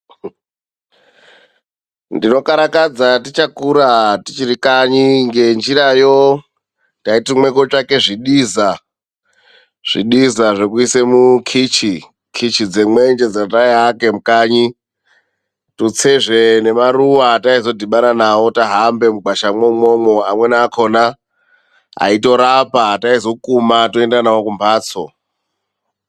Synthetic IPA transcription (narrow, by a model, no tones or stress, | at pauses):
ndino̞kaɾakad͡zatit͡ʃakuɾatit͡ʃirikaɲiŋɡe̞nd͡ʒiɾajo̞ | taitimwe̞ko̞t͡ʂake̞ʐiɗiːza | ʐ̥ḭɗizaʐe̞kuisemukʰit͡ʃi | kʰit͡ʃid͡zemwe̞nd͡ʒe̞d͡zataiake̞mukaːɲi | tut͡seʐe̞ne̞maruwataizo̞dʱiɓaɾanawo̞taɦambe̞muɡʱwaʃamomomoamwe̞naːkʰo̞na | a̰ito̞ɾapataizo̞kumatoendanawokumpʰaːt͡so